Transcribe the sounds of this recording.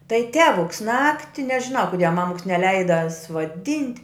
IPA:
tɐɪ ˈtʲæːʋʊks ˈnɑːktʲɪ nʲɛʒʲɪˈnɐʊ kʊˈdʲiɛ ˈmɑːmʊks nʲɛˈlʲɛɪdɐ suɔˈdʲɪnʲtʲ

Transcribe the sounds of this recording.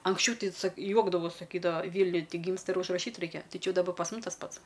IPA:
ɐŋksʲˈt͡ʃʲɛʊ ˈtɐɪ sɐk ˈjuɔɡdɐʋoːs sɐˈkʲiːdɐʋɐ ˈʋʲiːnʲʊj ˈɡʲiːmstɐ ɪr ʊʒrɐˈʃʲiːt ˈrɐɪkʲɛ ˈtɐɪ ˈt͡ʃʲɪ ˈjɛʊ dɐˈbɐ pɐs ˈmʊs tɐs ˈpɐts

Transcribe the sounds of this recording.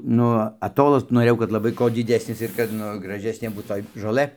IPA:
ˈnʊ ɐˈtoːlˠɐs noːˈrʲeːjɛʊ kɐt lˠɐˈbɐɪ koː dʲɪˈdʲæːsʲnʲɪs ɪr kɐt ˈnʊ ɡrɐˈʒʲæːsʲnʲeː ˈbuːt toːj ʒoːˈlˠɘ

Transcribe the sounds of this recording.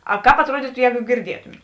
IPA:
ɐˈkɑːp ɐtˈruɔdʲiːtʊ ˈjɛːɡʊ ɡʲɪrʲˈdʲiɛtʊmʲeːt

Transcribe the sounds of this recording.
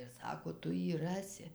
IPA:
ɪr ˈsɑːkoː ˈtʊ ˈjiː ˈrɑːsʲɪ

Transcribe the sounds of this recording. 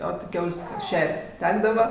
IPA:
oː tʲɪ ˈkʲɛʊlʲsʲ ˈʃʲɛrʲtʲ ˈtʲæːɡdɐʋɐ

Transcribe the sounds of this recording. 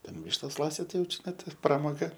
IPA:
tʲɛn ˈʋʲɪʃtoːs ˈlˠɑːsʲɪt ˈtɐɪ jɛʊ t͡ʃʲɪˈnɐɪ tʲɪ prɐmoːˈɡɐ

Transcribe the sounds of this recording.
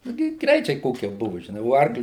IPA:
nʊ ˈɡʲɪ ˈɡrʲɛɪt͡ʃʲɛɪ ˈkoːkʲiɛ ˈbʊʋʊ ʒʲɪˈnɐɪ oː ˈɐrklʲɪ

